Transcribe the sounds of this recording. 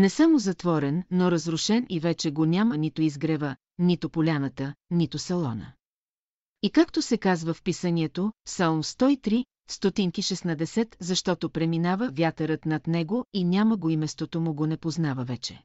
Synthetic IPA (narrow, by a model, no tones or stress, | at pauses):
nɛsamozɐt̪vɔɾɛnːoɾɐzɾʊʃɛnivɛt͡ʃɛɡonʲamənit̪ʊizɡɾɛvə | nit̪ʊpolʲanət̪ənit̪ʊsɛlˠɔnə̰ | ikakt̪osɛkazvəfpisəniɛt̪opsalˠmst̪ɔit̪ɾi | st̪ot̪iŋkiʃɛsnɐd̪ɛsɛt̪zɐʃt̪ɔt̪opɾɛminavəvʲjat̪əɾət̪nɐt̪nɛɡoinʲaməɡoimɛst̪vot̪omʊɡonɛpoznavəvɛt͡ʃɛ̥̰